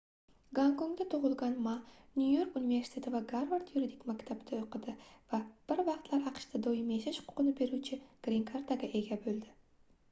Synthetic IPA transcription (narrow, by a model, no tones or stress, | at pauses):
ɡaŋkoŋd̪at̪ʰʊʁʊlˠɡɑnmanʲjujo̞ɾkunive̞ɾsi̥t̪ʰʲet̪ʰɪvaɡaɾvaɾt̪juɾid̪ikʲmakʲt̪ʰabd̪aoqɨd̪ɪvab̥ɪɾvɑqt̪lˠaɾɑqʃt̪ʰad̪ojɪmjeʃaʃhʊχqʰʊ̥qɨnɪbe̞ɾut͡ʃʰɪɡ̥ɾʲeŋkʰaɾt̪aɡʲaʔeɡʲabɵld̪ɪ